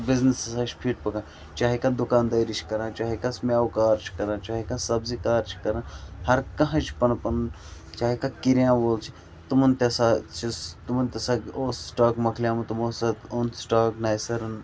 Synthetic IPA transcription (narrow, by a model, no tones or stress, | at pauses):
bɪznisɐsaːt͡ʃʰpʰiːʈ̚pɐkãː | t͡ʃaːɦikãd̪ukaːnd̪ɐːjɾit͡ʃʰkɐɾãːt͡ʃaːɦikasmʲjaːwkaːɾt͡ʃʰi̥kɐɾãːt͡ʃaːɦikãːsɐbzikaːɾt͡ʃʰi̥kɐɾãːhɐɾkɐɦãt͡ʃʰpɐnpɐn | t͡ʃaːɦikaːkiɾjãːʋoːlt͡ʃʰi̥ | t̪umɐnt̪ɐsaːt͡ʃʰit̪umɐnt̪ɐsaːɡoːssʈaːkmɐkʰlʲjaːmɐt̪umoːsɐt̪onsʈaːknajsɐɾɐn